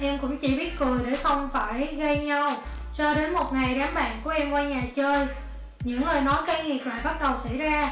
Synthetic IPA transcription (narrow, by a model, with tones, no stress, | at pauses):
ʔɛ˧mkʊ̰˧˥ŋ͡mt͡ɕḭ˧˩ɓi˦˥ət̚kɨ˨˩əjɗe˧˩xə˧wŋ͡mfaː˧˩jɣə˧jɲa˧w | t͡ɕɔ˧ɗe˨˦nmo˨˩t̚ŋa˨˩jɗaː˨˦mɓa̰ː˧˨nku˧˩əʔɛ˧mkwaː˧ɲaː˨˩t͡ɕəː˧j | ɲɨ̰˧˥ŋləː˨˩jnɔ˨˦jka˧ŋi˨˩əp̚la̰ː˧˨jɓa˦˥t̚ɗə˨˩wsa̰˧˥˨jzaː˧